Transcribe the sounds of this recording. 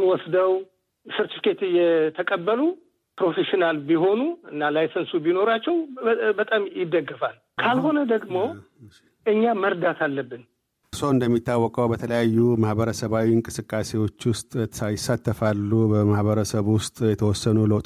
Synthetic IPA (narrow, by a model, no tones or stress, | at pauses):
wɔsd̪əw | sɨɾt̪ifkʰet̪ɨjɛt̪ʰəkʼəbːəlu | pɾo̞feʃinalbiɦo̞nuɨnːalajsənsubino̞ɾat͡ʃːɛwbət̪ʼamjɪd̪əɡːɨfal | kʰalɦo̞nəd̪əɡmo̞ | ʔɨɲːaməɾd̪at̪ʰalːəbːɨn | soɨnd̪əmːit̪ːawːɔkʼəwbət̪ʰələjajːumahbəɾəsəβawiɨŋkʼɨsɨkʼːasewo̞t͡ʃːwʊst̪ʼajɪsːat̪ʰːəfalːubəmahβəɾəsəβwʊst̪ʼjɛt̪ʰəwɔsːənuləwt̪ʼ